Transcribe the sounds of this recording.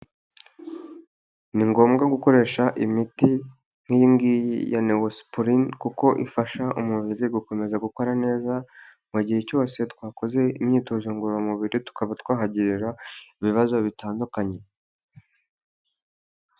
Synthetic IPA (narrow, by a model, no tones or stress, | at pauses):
niŋɡo̞ːmɡaɡuko̞ɾe̞ːʃaʔimiti | mimɡijja̰newospoɾinkuko̞ʔḭfaʃaʔumuβiɾiɡuko̞me̞zaɡuko̞ɾane̞ːzamweɟiheco̞ːse̞twaːko̞ze̞imɲiːtoʒuːŋɡuɾamuβiɾitu̥kaβatwaːɦaɟiɾiɾaiβiβazo̞βitaːndukaɲe̞